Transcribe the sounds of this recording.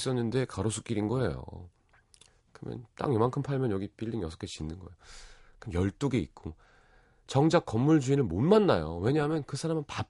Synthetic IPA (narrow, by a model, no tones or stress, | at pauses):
s͈ʌnːɯnde̞kaɾosʰu̥k͈iɾinɡʌe̞̰jo̰ | kɯɾʌ̰mjʌ̰nt͈a̰ŋjʌmankʰɯmpʰaɭmjʌnjʌɡip͈iʎːinjʌsʰʌ̥kʰet͡ɕinːɯnɡʌejokɯmjʌɭt͈oɡeit̚k͈o | t͡ɕʌŋd͡ʑak͈ːʌmːuɭd͡ʑuinɯnmonmanːajo̰we̞ɲaɦamjʌnkɯsʰaɾamɯnpa